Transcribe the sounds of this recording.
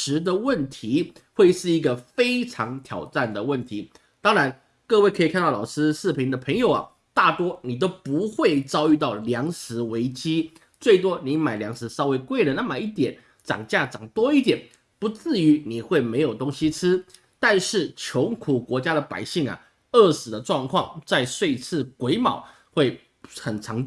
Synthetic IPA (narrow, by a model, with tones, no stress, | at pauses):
ʂɻ̩˧˥d̪ə˧wə˥˩nt̪ʰi˧˥ | xwe˥˧ɪʂɻ̩˥˩i˧˥ɡə˨fe˥ɪʈ͡ʂʰɑ˧˥ŋt̪ʰjɑ˨˩ʊʈ͡ʂa˥˩nd̪ə˩wə˥˩nt̪ʰi˧˥˦ | t̪ɑ˥ŋɻa˧˥n | kɤ˥˧we˥˩kʰɤ˧˥i˨˩kʰa˥˧nt̪ɑ˥˩lɑ˨˩ʊʂɹ̩˥sɹ̩˥˩pʰi˧˥ŋd̪ə˨pʰə˧˥ŋjo˨˩ʊɐ̰˨˩ | t̪a˥˩t̪wɔ˥ni˨˩t̪̬o˥ʊpu˧˦˥xwe˥˩ɪt͡sɑ˥ʊy˥˧t̪ɑ˥˩ʊljɑ˧˥ŋʂɹ̩˧˥we˧˥ɪt͡ɕi˥ | t͡swe˥˩ɪt̪̬wɔ˥ni˧˥ma˨˩ɪljɑ˧˥ŋʂɻ̩˧˥sɑ˥ʊwe˧˥ɪkwe˥˩ɪlə˩˦na˥˩ma˨˩i˥˩t̪jɛ˨˩˦n | ʈ͡ʂɑ̰˨˩ŋt͡ɕja˥˩ʈ͡ʂɑ˨˩ŋt̪wɔ˥i˥˩t̪̬jɛ˨˩n | pu˧˥t͡sɹ̩˥˩y˧˥ni˨˩xwe˥˩ɪme˧˥ɪjo˨˩ʊt̪o˥ŋɕi˥t͡s̩ʰ˥ | t̪a˥˧nʂɻ̩˥˩t͡ɕʰjo˧˥ŋkʰu˨˩kwɔ˧˥t͡ɕja˥ɾə˨pa̰˨˩ɪɕi˥˩ŋɐ̰˩ | ə˥˩sɹ̩˨˩d̪ə˦ʈ͡ʂwɑ˥˧ŋkʰwɑ˥˧ŋt͡sa˥˧ɪʂwe˥˧ɪt͡sʰɹ̩˥˩kwe˧˥ɪmɑ˨˩˦ʊ | xwe˥˩ɪ | xə˨˩nʈ͡ʂʰɑ˧˥ŋ˧